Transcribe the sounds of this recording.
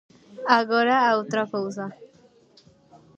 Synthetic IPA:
aɡoɾaːwt̪ɾakowza

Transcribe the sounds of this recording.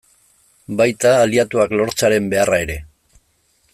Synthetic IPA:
bajt̪aːliat̪uaklo̞ɾt͡saɾe̞mbe̞arae̞ɾe̞

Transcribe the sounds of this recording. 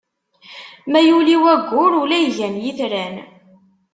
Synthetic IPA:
mæjuliwæɡʷːʊɾʊlæjʝænjiθɾæn

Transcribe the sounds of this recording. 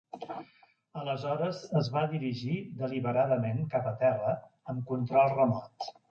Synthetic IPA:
ələzɔɾəzəzβaðiɾiʒiðəliβəɾaðəmeŋkapət̪ɛrə | əmkunt̪ɾɔlˠrəmɔt̪

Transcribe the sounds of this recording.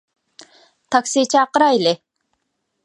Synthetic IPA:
t̪ʰaksit͡ʃaɑqɾɑele

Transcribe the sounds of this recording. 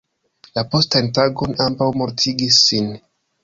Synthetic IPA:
lapo̞stantaɡo̞nambawmo̞ɾtʰiɡisːin

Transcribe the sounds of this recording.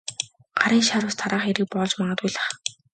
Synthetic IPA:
ɢ̥aɾiːŋʃaɾʊːst̪ʰaɾaːχeɾɘ̆k̚pɔɮt͡ɕmaʁəːt̪ujɮə̆χ

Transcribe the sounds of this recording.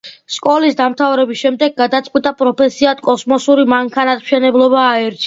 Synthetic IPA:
skʼɔlisd̪amt̪ʰavɾɛbisʃɛmd̪ɛɡːad̪at̪sʼqʼwit̪ʼapʼɾɔpʰɛsiat̪kʼɔsmɔsuɾimaŋkʰanat̪mʃɛnɛblˠɔbaːɛɾt͡ʃʰ

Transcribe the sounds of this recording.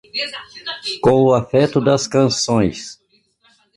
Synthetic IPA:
kõw̃ʊafɛt̪ʊd̪ɐskɐ̃sõj̃s

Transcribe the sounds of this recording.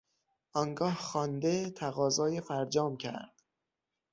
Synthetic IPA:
ʔɒːŋɡɒːhxɒːnd̪e̞t̪ʰæɣɒːzɒːjefæɾd͡ʒɒːmcʰæ̰ɾd̪̥

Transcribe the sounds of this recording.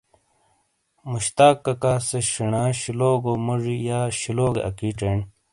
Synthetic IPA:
muɕt̪aːkːɐkaːseɕiɳãːɕiloːɡomɐʐijaːɕiloːɡḛɐ̰kiʈeːɳ

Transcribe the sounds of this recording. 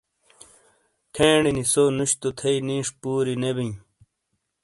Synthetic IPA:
kʰẽːɳinisoːnuɕt̪ut̪ʰeiniːʂpuːɾinebĩ

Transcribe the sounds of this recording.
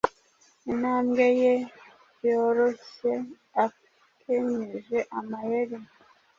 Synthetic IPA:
inhaːmɡeje | joɾoçe | a | kʰeɲeʒeʔamajeɾim

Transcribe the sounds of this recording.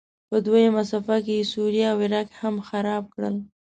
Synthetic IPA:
pəd̪wajamasɑfak̬ejesuɾijaawɪɾɑkhamxaɾɑb̚kɽə̰l

